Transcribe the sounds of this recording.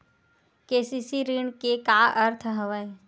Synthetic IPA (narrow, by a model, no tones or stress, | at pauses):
keːsisiɾiɳkekaʔəɾt̪ʰɦəʋə